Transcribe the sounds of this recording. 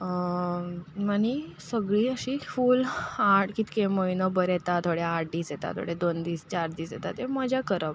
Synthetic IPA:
aɽ̃isəɡɭiːəɕifuːlaʈkit̪kẽməinəbəɾɛt̪at̪ʰoɽeaʈ̚d̪iːsjɛt̪a̰t̪ʰo̰ɽed̪ond̪iːst͡ɕaɾd̪iːsjɛt̪at̪eməd͡ʑʱakəɾəp

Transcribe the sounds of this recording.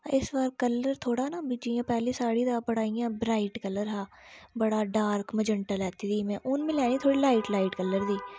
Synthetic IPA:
ɪsʋaːɾkəlːəɾt̪ʰoːɽaːnaːbid͡ʒiːjãːpɛːlisaːɽiːd̪aːbəɽaːijãːbɾaːɪʈkələɾɦaː | bəɽaːɖaːɾkməd͡ʒəɳʈalɛːt̪iːd̪iːmɛ̃ːʔʊnmẽlɛːniːt̪ʰoːɽilaːɪʈlaːɪʈkəlːəɾd̪iː

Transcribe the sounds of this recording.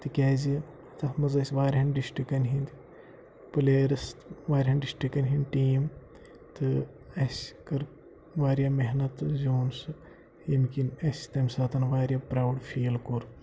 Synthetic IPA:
t̪ɨkʲaːzi | t̪ɐhmɐzɐsʲʋaːɾʲɦɐnɖisʈɾikːɐnɦind̪i | pɨleːɾɐsʋaːɾʲɦɐnɖisʈikːɐnʲɦinʲʈiːm | t̪ɨ | ɐskɐɾ | ʋaːɾjaːmeɦnɐt̪zoːnsɨ | jɐmkinɐsʲt̪ɐmʲsaːt̪ɐnʋaːɾjaːpɾaːwɖfʰiːlkoɾ

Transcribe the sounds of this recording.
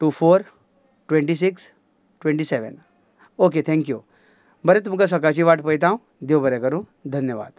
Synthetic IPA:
ʈuːfoːɾ | ʈʋẽɳʈis̬iks | ʈʋẽɳʈiseʋə̰n | ok̬et̪ʰɛ̃ŋkjṵ | bəɾɛt̪umkas̬ɐk̬at͡ɕiʋaʈpəjt̪ãũ | d̪jobəɾɛkəɾũː | d̪ʱɐnjəʋa̰ːd̪̥

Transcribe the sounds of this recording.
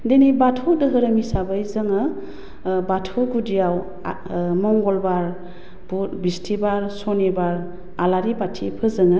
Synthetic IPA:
denibatʰudɯɦɯɾɯmisabɯjzɯŋɯ | batʰuɡudijaw | mɔŋɡɔlbaɾ | butbistʰibaɾsɔnebaɾ | alaɾibatʰipʰɯzɯŋɯ

